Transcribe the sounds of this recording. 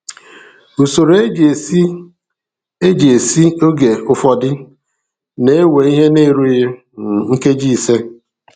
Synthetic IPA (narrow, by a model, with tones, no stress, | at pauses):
u˨so˨ɾe˦d͡ʒe˨˦ | e˦d͡ʒe˨e˨si˦o˦ɡe˨ʊ˦fɔ˨dɪ˦ | ne˦e˦we˨i˦ɦe˦ne˦˨ɾu˦je˦˨ | ŋ̩˦ke˦d͡ʒi˦˨se˦